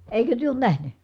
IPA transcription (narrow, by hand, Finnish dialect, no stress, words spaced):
eikø tyø oːn næhny